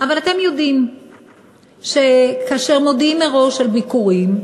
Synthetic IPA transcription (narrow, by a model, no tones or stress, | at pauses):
ʔavalat̪e̞mjo̞d̪im | ʃekaːʃeʁmo̞d̪imeʁo̞ʃalbikuʁim